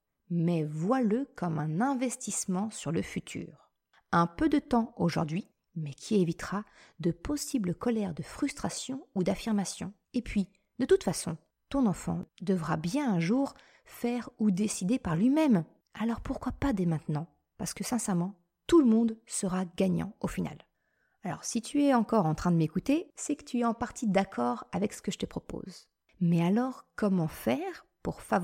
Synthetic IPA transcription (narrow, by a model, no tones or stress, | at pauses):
mɛvwaləkɔmɛ̃nɛ̃vɛst̪ismɑ̃syʁləfyt̪ʰy̰ːʁ | ɛ̃pød̪ət̪ɑ̃oʒṵʁd̪ɥi | mɛkʲʰievit̪χad̪əpɔsibləkɔlɛʁd̪əfχyst̪χasjɔ̃ud̪afiʁmasjɔ̃ | epɥi | d̪ət̪ut̪fasɔ̃ | t̪ɔ̃nɑ̃fɑ̰̃d̪əvʁabjɛ̃ɛ̃ʒuʁ | fɛʁud̪esid̪epaʁlɥimɛm | alɔʁpuʁkwapad̪ɛmɛ̃t̪nɑ̃ | paʁsə̥kəsɛ̃sɛʁmɑ̃ | t̪uləmɔ̃d̪səʁaɡaɲɑ̰̃ofina̰l | alɔ̰ʁsit̪ʰyɛɑ̃kɔʁɑ̃t̪χɛ̃d̪əmekut̪esɛkə̥t̪ʰyɛɑ̃paʁt̪ʰid̪akʰɔʁavɛksə̥kəʒət̪əpχɔpo̰z | mɛalɔʁkɔmɑ̃fɛʁpuʁfav